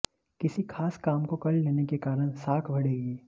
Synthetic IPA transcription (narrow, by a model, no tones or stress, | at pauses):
kɪsikʰaːskaːmkokɐlleːnekekaːɾəɽ̃saːkʰbʱɐɽeːɡiː